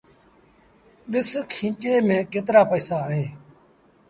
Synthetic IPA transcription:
ɗɪskʰĩːt͡ʃeːmẽːkeːt̪ɾaːpəiːsaːɦeː

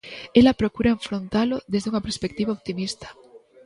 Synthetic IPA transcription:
elapɾokuɾaeɱfɾont̪aloðe̞zðeuŋapeɾspek̚t̪iβaoβ̚t̪imist̪ḁ

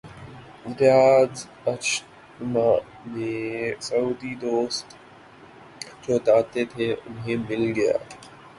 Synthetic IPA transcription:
ɪmt̪ɪjaːz | əʃ | maː | mẽsɐuːd̪id̪oːst̪ | d͡ʒoːt̪aːt̪eːt̪ʰeːʔʊnɦẽːmɪlɡəja̰ː

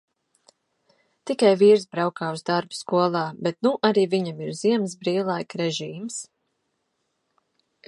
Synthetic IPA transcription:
t̪ikajviːɾsbɾawkaːuzd̪aɾbu̥skuɔlˠɑːbet̪nuʔaɾiːviɲamiɾz̥iɛms̬bɾiːlˠajkɾɛʒiːms

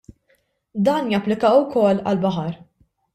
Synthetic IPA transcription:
d̪ɐːnjɐpːlɪkɐːʊwkɔlːɐ̰lbɐħɐɾ

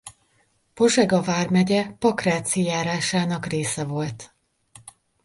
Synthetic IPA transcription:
po̞ʒɛɡɒvaːrmɛɟɛpɒkraːt̪sijaːɾaːʃaːnɒkreːsɛvo̞lt̪

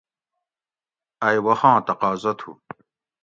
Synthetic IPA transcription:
ɐjwɐhɑ̃ːt̪ɐqaːzɐt̪ʰṵ

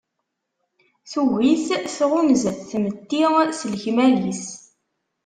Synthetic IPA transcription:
θuviθθʁʊməzθmət̪ːiʁsəlçmælis

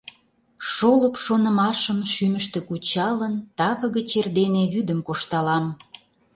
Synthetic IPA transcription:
ʃoləpʃonə̆mɑʃəmʃyməʃt̪ĕkut͡ɕɑlənt̪ɑβə̆ɣə̆t͡ɕerd̪eneβyd̪əmkoʃt̪ɑlɑm

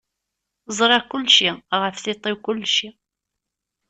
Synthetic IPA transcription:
zˤɾˤɑkʊlːʃiʁəfθit̪ˤːewkʊlːʃi

